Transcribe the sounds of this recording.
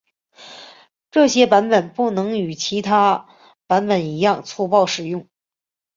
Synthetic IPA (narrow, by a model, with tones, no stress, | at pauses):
ʈ͡ʂɤ˥˩ɕjɛ˥pa˧˥npə˨˩npu˥˩nɤ˧˥ŋy˨˩t͡ɕʰi˧˥t̪ʰa˥ | pa˧˥npə˨˩ni˧˥jɑ˥˩ŋt͡sʰu˥˧pɑ˥˧ʊʂɻ̩˨˩jʊ˥˩ŋ